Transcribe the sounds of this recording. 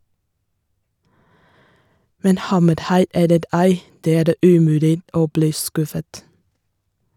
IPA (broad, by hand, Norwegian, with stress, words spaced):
ˈmɛn ˈhɑməɾˌhɑɪ ˈɛləɾ ˈæɪ ˈdeː ˈæːɾ ˈʉːˌmʉːlɪ ˈoː ˈbliː ˈskʉfət